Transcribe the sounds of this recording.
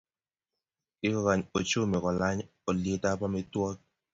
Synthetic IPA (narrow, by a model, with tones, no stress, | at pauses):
ɪ˦kɔ˨ka˨ɲo˨t͡ʃo˦me˨kɔ˨la˦ɲ | o˨le˦ta˦pa˦mɛ˦twɔ˦k̚